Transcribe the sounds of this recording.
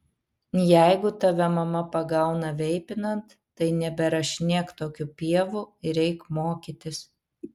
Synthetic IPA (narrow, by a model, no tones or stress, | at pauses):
jæɪɡʊt̪ɐʋʲɛmɐmɐpɐɡɐˑʊnɐʋʲɛɪpʲɪnɐnt̪ːɐɪnʲɛbʲɛɾɐʃʲnʲiɛkt̪oːkʲupʲiɛʋuɪɾʲɛɪkmoːkʲɪt̪ʲɪs